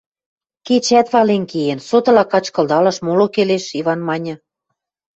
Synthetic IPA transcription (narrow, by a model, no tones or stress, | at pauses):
ket͡ɕæt̪βɑlenkejensot̪ɤ̆lɑkɑt͡ɕkɤ̆ld̪ɑlɤ̆ʃmolokeleʃiβɑnmɑnʲɤ̆